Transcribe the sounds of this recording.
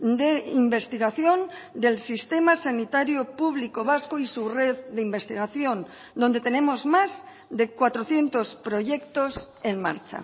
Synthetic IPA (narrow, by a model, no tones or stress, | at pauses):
d̪e̞imbe̞st̪iɣaθjo̞nd̪e̞lsist̪e̞masanit̪aɾjopuβ̞liko̞β̞askoisure̞ððeimbe̞st̪iɣ̞aθjo̞n | d̪ond̪e̞t̪e̞ne̞mo̞zmaz | ðe̞kwat̪ɾo̞θje̞nt̪o̞spɾo̞ʝe̞kt̪o̞s | e̞nma̰ɾt͡ʃa̰